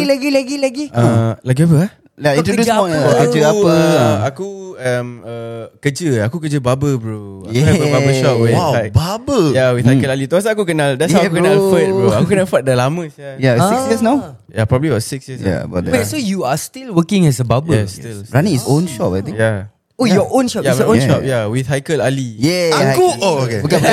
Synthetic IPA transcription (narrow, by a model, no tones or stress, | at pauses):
laɡilaɡilaɡiʔəlak̬ɛpəa | aĩntodsɔ̃jɔkəd͡ʒəapəəakuəməkəd͡ʒəakukəd͡ʒəbabəbɹo | jɛəbabəʃɔtwiawababəjawit̪ʰakəlalit̪uas̬aakukənaldɛtsawukənafət̚bɹuakukənafət̚dəlamə̃sajawsiksjəsnãw | japɹɔbəbliwatsiksjəsa̰bɛsojuastilwəkɪ̃ŋɛsəbabəɛstilɹanĩisõnʃɔt̚at̪ĩja | ojɔʔõnʃɔjaõʃɔp̚jawiθhajkəlalijɛakuookebka